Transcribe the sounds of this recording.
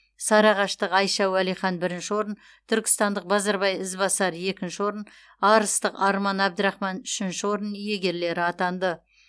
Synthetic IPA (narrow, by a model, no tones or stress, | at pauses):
sɑɾɑʁɑʃt̪əqɑjʃɑwælijχɑnbɪɾɪnʃɪwo̞ɾən | t̪ʰʏɾkʲɪ̥st̪ɑnd̪əq̚bɑzɑɾbɑjɪzbɑsɑɾje̞kʲɪnʃɪwo̞ɾən | ɑɾəst̪əqɑɾmɑnæb̚d̪ɾɑχmɑnʏʃɪnʃɪwo̞ɾənje̞ɡʲe̞ɾle̞ɾɪɑt̪ɑnd̪ə